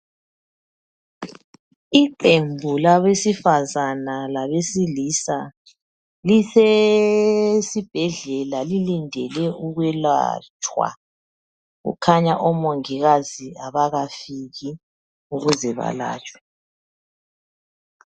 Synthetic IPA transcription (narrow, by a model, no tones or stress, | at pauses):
iǃembʱulaβesifazanalaβesilisa | lise | sib̥ʱɛɮɛlalilindʱɛlɛʔuɣwɛla̰t͡ʃʼʰwa̰ | ɣṵkʰaɲaʔɔmoŋiɣaziaβaɣafiɣi | uɣuzɛβa̰la̰ːt͡ʃʼwɛ